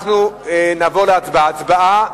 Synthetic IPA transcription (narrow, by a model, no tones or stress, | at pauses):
χnuenavo̞leat͡sbaat͡sbaa